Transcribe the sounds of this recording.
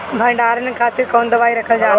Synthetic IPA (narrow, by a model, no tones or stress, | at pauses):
bʱɐ̃ɪ̃ɳɖaːɾənɪ̆kʰaːt̪ɪɾkõːnd̪əʋaːiɾɐkʰəld͡ʑaː